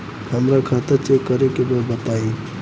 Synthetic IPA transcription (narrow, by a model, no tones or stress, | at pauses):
kəmɾakʰat̪at͡ʃekəɾekebəbət̪aːi